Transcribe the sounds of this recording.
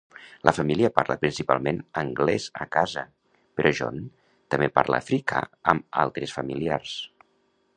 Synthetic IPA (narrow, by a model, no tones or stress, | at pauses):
lʔəfəmiliəpaɾləpɾinsipalˠmenəŋɡlɛzə̰kazə | peɾʔɔʒɔn | t̪əmepa̰ɾlə̰fɾikʰa̰əma̰lˠt̪ɾesfəmiliars